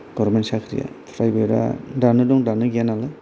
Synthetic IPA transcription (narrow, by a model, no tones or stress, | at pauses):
ɡ̥ɔɾɾmentsakʰɾḭja̰pʰɾajbeɾa̰danɯdɔŋdanɯɡijanalɯ